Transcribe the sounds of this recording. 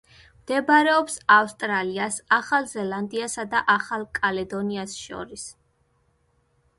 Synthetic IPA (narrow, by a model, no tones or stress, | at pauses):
md̪̥ɛbaɾɛɔpsafst̪ʼɾaliasaχalˠzɛland̪iasad̪aʔaχalˠkʼalɛd̪ɔniasʃɔ̰ɾis